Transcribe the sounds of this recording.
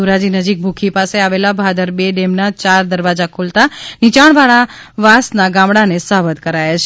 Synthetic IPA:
uɾad͡ʒinəd͡ʒik̚bʱukʰipaseaʋelabʱad̪əɾbeɖemnat͡ʃaɾd̪əɾʋad͡ʒakʰult̪anit͡ʃaɽ̃ʋaɭaʋasnaɡamɽanesəɦʋət̪kəɾajat͡ʃʰe

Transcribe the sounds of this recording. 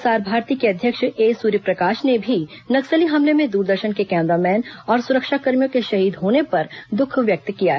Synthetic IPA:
saːɾbʱaːɾt̪iːkeɐd̪ʱjəkʃeːsuːɾipɾɐkaːʃnebʱi | nɐksəliɦɐmlemẽd̪uːɾd̪əɾʃənkekɛ̃ːmɾamɛːnɔːɾsʊɾəkʃakɐɾmjõkeʃɐɦiːd̪ɦoːnepɐɾd̪ʊkʰʋjɐk̚t̪kija̰ɦ

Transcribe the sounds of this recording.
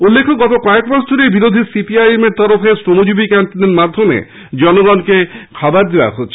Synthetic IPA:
ulːekʰoɡɔt̪okɔekmasd̪ʱoɾejbiɾod̪ʱisipiajemeɾt̪ɔɾofʰesɾomod͡ʒubikaɳʈineɾmad̪ʱːomḛ | d͡ʒɔnoɡɔnkekʰɔbaɾd̪ewa̰ɦotːʃʰe̥

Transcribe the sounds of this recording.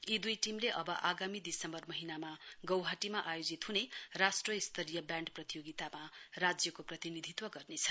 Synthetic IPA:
id̪ujʈimleʔʌbʌʔaɡamid̪isʌmbʌrmʌɦinamaɡʌwɦaʈimaʔajod͡zit̪ɦunerasʈrʌist̪ʰʌɾijʌbjaɳɖprʌt̪ijoɡit̪amarad͡zjʌkoprʌt̪inid̪ʱit̪wʌɡʌrnet͡sʰʌ̥

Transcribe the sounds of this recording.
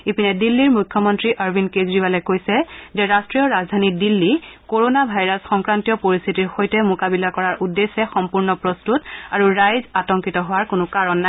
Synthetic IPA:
ipinɛdilːiɹmujkʰːɔmɔntɹiʔaɹbʱinkezɹibalɛkojsɛzɛɹastɹijɔɹazdʱanidilːikoɹonabʱajɹasxɔŋkɹantijɔpoɹistʰitiɹxojtɛmʊkabilakɔɹaɹʔudːesːɛxɔmpuɹnɔpɹɔstutaɹuɹajzatɔŋkitɔɦʊwaɹkʊnʊkaɹɔnːa

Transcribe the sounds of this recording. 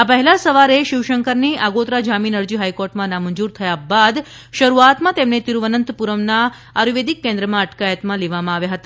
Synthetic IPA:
apəɦɛlasəʋaɾeʃɪʋʃəŋkəɾniaɡot̪ɾad͡ʒaminəɾd͡ʒiɦajkɔɾʈmãnamənd͡ʒuɾt̪ʰəjabad̪ | ʃəɾuat̪mãt̪emnet̪iɾuʋənənt̪puɾəmna | aɾiʋed̪ikːɛ̃nd̪ɾəmãəʈkajət̪mãleʋamãaʋjaɦət̪a

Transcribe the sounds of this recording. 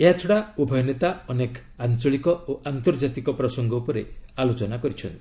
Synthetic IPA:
eɦat͡ʃʰɔɽaubʱɔjɔnet̪aɔnek | ant͡ʃɔɭikɔoʔant̪ɔɾd͡ʒat̪ikɔpɾɔsɔŋɡɔupɔɾe̥alot͡ʃɔnakɔɾit͡ʃʰɔnt̪i̥

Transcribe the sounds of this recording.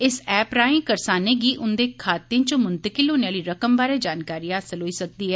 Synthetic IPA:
ɪsɛːpɾaːĩːkəɾsaːneːɡiːʔʊnd̪eːkʰaːt̪ẽt͡ʃõmʊnt̪əkɪlɦoːneaːliːɾəkəmbaːɾeːd͡ʒaːnkaːɾiːaəsəlɦoːiːsək̚d̪iːɦɛː

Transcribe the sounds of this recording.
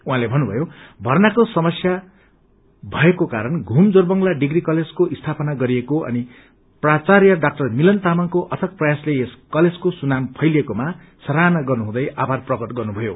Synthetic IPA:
uɦãlebʱʌnubʱʌjobʱʌrnakosʌmʌsja | bʱʌekokaɾʌnɡʱumd͡zorbʌŋlaɖiɡrikʌled͡zkoʔist̪ʰapʌnaɡʌɾiekoʌ̰ni | prat͡sarjʌɖak̚ʈʌrmilʌnt̪amaŋkoʔʌt̪ʰʌk̚prʌjaslejeskʌled͡zkosunampʰʌjlekoma | sʌɾanʌɡʌrnuɦũd̪ʌjabʱarprʌɡʌʈɡʌrnubʱʌjo̰

